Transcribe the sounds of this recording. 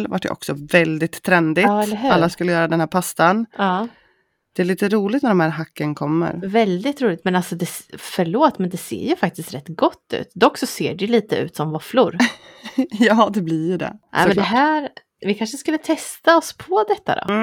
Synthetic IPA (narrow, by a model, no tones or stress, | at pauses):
lva̰ʈjə̰ʔɔ̰ksɔvɛld̪ɪt̪ʰːɾɛnd̪ɪtːɛlɦʉalːaskɵlːəjœːɾad̪ɛnhæːɾpʰast̪anɑː | d̪̥ɛæɭiːt̪əɾuːlɪɡt̪næɖɔmhæːɾɦakːənkʰɔmːə̰ɾvɛld̪ɪt̪ɾuːlɪt̪mɛnalsɔd̪ɛsfœɭoːt̪mɛnd̪ɛsḛːɾjɵfak̚t̪ɪst̪ɾɛt̪ːɡɔt̪ːʉ̟̰ːt̪d̪ɔkːsɔsḛːɖɛjɵliːt̪əʉ̟̰ːt̪sɔmvɔflʊɾ | jɑːd̪ɛblɪjɵɖɛ̰ʔɛ̰mɛnd̪ɛɦæːɾ | vɪkʰanʂəskɵlːət̪ʰɛst̪aɔspʰɔd̪ɛt̪ːa̰d̪ɔ̰